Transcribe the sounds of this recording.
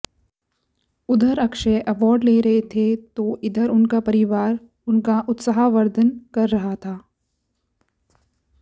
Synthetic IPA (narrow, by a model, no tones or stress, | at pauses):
ʊd̪ʱəɾɐkʃeʔɐʋɔːɾɖleːɾɐɦet̪ʰet̪oʔɪd̪əɾʊnkapɐɾɪʋaːɾ | ʊnkaʔʊt̪səɦaʋəɾd̪ʱənkɐɾːɐɦat̪ʰaː